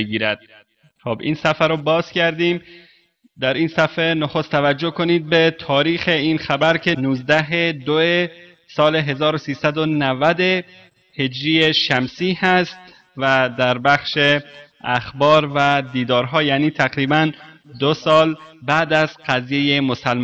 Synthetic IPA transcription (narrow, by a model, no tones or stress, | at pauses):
eɡiːɾæd̪̥̚ | xobḭːnsæfæɾobɒːz̥cʰæɾd̪iːm | d̪æɾiːnsæfenoxo̞st̪ʰævæd͡ʒːo̞kʰo̞niːd̪̚be̞t̪ʰɒːɾiːxe̞iːnxæbæɾcʰenuːzd̪æɦed̪oe | sɒːle̞ɦe̞zɒːɾosiːsæd̪o̞nævæd̪e | he̞d͡ʒɾijeʃæmsiːhæst̪ | væd̪æɾbæxʃe | æxbɒːɾvæd̪iːd̪ɒːɾɦɒːjæːniːt̪ʰæɣɾiːbænd̪osɒːlbæːd̪æzqæzje̞jemo̞sælm